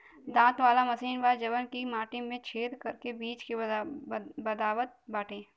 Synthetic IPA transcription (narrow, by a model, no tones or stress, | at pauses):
d̪ãːt̪ʋaːlamɐsiːnʋaːd͡ʒɐbənkimaːʈɪmẽt͡ʃʰeːd̪kɐɾkebiːt͡ʃke | bɐd̪aːwət̪̚baːʈʰẽː